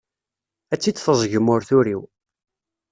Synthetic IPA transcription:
æt͡sːid̪θəzˤʝəmʊɾθʊɾiw

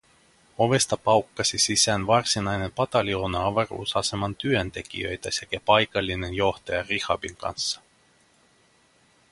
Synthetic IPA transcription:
o̞ʋe̞st̪ɑpɑwkːɑsʲisisænvɑrsinɑjne̞mpɑt̪ɑlʲio̞nɑɑvɑrṵːsɑse̞mɑnt̪yønt̪e̞k̟ḭø̞̰jt̪æsekæpɑjkɑlʲːine̞njo̞ht̪ɑjɑrixɑ̰biŋkɑ̰nsːɑ̥

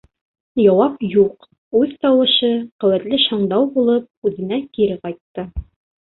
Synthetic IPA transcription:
jɑwɑpjuq | ʉðt̪ɑwɤ̆ʃɤqɵ̆wæt̪lɘʃɑɴd̪ɑwbulˠɤp̚ʉðɘ̆nækiɾɘqɑjt̪ːɤ

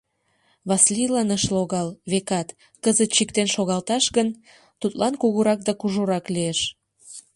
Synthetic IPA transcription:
βɑslilɑnəʃloɣɑlβekɑt̪ | kəzət̪̚t͡ɕikt̪enʃoɣɑlt̪ɑʃɣən | t̪ut̪lɑnkuɣuɾɑk̚d̪ɑkuʒoɾɑklieʃ

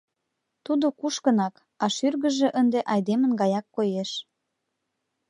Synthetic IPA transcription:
t̪ud̪okuʃkənɑk | ɑʃyrɣə̆ʒĕʔənd̪eʔɑjd̪emə̆nɡɑjɑkːojeʃ

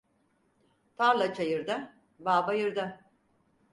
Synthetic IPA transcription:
t̪ʰaɾlˠat͡ʃʰajɯɾd̪a | baːbajɯɾd̪a

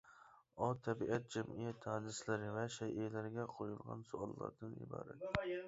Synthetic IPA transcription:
ɒt̪ʰːæbiʔæt̪̚d͡ʒɛmijɛt̪ʰːæd̪ɪslɪɾɪvɛʃɛjʔelæɾɡʲɛqʰojulˠʁɑ̰nsʊɑlˠːɑ̰ɾd̪ɨnɪ̰bɑ̰ːɾɛ̰t̪

